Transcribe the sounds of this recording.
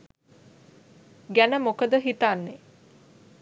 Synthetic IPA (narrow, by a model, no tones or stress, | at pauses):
ɡænəmokəd̪əɦit̪anːe